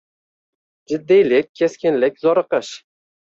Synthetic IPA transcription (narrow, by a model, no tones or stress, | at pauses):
d͡ʒɪd̪ːijlɪkʲʰːeskʲɪnlɪk̚ʲzɒɾɨqəʃ